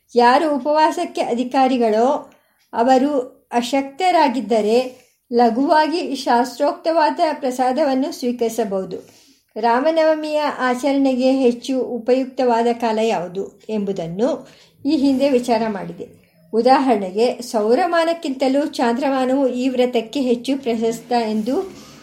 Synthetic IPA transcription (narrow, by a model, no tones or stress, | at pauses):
jaːɾuːpɐʋaːsɐkːe̞ʔɐd̪ʱikaːɾiɡɐɭoː | ɐʋɐɾu | ɐʃɐk̚t̪ɐɾaːɡid̪ːɐɾe̞ | lɐɡuʋaːɡiʃaːst̪ɾoːk̚t̪ɐʋaːd̪ɐpɾɐsaːd̪ʱɐʋɐnːusʋiːkɐɾisɐbɐɦud̪u | ɾaːmɐnɐʋɐmijɐʔaːt͡ʃɐɾɐɳeɡe̞ɦet͡ʃːuupɐjuk̚t̪ɐʋaːd̪ɐkaːlɐjaːʋud̪ue̞mbud̪ɐnːu | iːɦind̪e̞ʋit͡ʃaːɾɐmaːɽid̪e | ud̪aːɦɐɾɐɳeɡe̞sɐwɾɐmaːnɐkːint̪ɐluːt͡ʃaːnd̪ɾɐmaːnɐʋuiːʋɾɐt̪ɐkːe̞ɦe̞t͡ʃːupɾɐʃɐst̪ɐe̞nd̪u